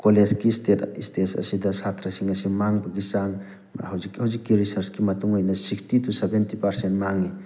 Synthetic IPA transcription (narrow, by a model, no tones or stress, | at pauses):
koled͡ʒkistetistesɐ̰sidɐsatʰɾɐsiŋɐsimaŋbɐɡisaŋ | hɐwzikhɐwzikːiɾisɐɾskimɐtuŋojnɐsikstitusebentipɐɾsentmaŋi